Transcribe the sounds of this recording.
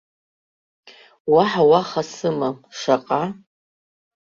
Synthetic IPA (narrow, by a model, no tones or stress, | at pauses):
waħawaχasɨmaʂaqʼa